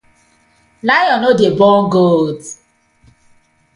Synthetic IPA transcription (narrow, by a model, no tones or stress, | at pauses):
lajɔnodebɔɡold